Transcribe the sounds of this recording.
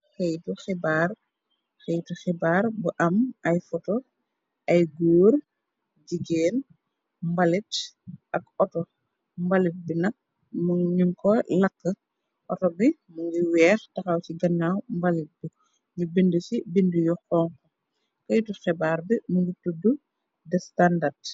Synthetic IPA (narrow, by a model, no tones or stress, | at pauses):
xejtuxɛbaːr | xejtuxibaːrbuʔɐmɐjfɔto | ʔɐjɡoːr | ɟiɡeːn | mbɐlitʔɐkɔtɔ | mbɐlit̚binɐk̚ | muɲiŋkɔlɐkːə | ʔɔtɔbi | muŋɡiwɛːxtɐxɐwciɡɐnːawmbɐlit̚bu | ɲubindusibindujɔxɔːŋkɔ | kɐjtuxɛbaːɾbimuŋɡitudːu | dɛstandɐrt